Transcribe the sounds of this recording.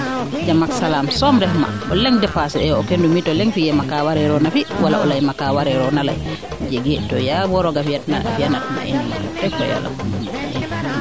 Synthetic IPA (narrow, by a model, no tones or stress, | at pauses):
d͡ʒamaksalamsɔmɾɛhma̰ʔɔ̰lɛŋdɛfasɛɛɔkendumitɔlɛŋfijɛmakawaɾɛɾɔnafiwala̰ʔɔlajmakawaɾɛɾɔnala̰j | d͡ʒeɡɛtɔjawɔɾɔɡafiatnaa̰fianatma̰ʔḭnduma̰ɾ̰tɛkɔ̰ja̰la̰ | ʔɛ